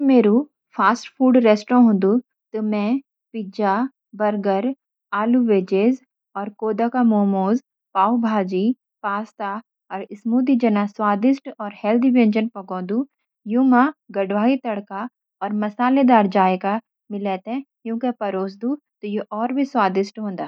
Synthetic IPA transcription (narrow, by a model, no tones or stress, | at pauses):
bmeːɾu | pʰaːsʈpʰuːɖɾeːsʈɾõɦʊ̃ːnd̪u | t̪omɛ̃ | pɪd͡ʒa | bɐɾɡəɾ | aːluʋeːd͡ʒeːz | ɔːɾkoːd̪akamoːmoːz | paːubʱaːd͡ʒi | paːst̪a | ɔːɾɪsmuːd̪id͡ʒɐnaswaːd̪ɪsʈɔːɾhɛːld̪iʋẽnd͡ʒənpɐɡɔ̃ːd̪u | jumaɡɐɖʋaːit̪ɐɽka | ɔːɾmɐsaːled̪aːɾd͡ʒaːeka | mɪlɛːt̪ɛ̃ | jũːkepɐɾoːs̬d̪u | t̪ojeʔɔːɾbʱiswaːd̪ɪsʈɦõːnd̪aː